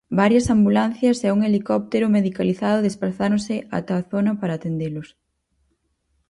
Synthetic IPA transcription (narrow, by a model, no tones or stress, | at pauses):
baɾjɐsambulan̟θjɐsɛuŋelikɔp̚t̪eɾʊmeðikaliθaðʊðespɾaθaɾʊŋsɪʔa̰t̪aθonɐpaɾaːt̪end̪elʊs